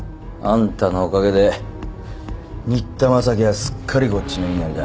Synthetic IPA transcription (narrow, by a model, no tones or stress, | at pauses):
ãnt̪anoːkaɡe̞d̪e̞ | ɲ̟ʲit̪ːamasakʲeɡasɨ̥kʰːaɾʲiko̞t͡ɕːinainaɾid̪a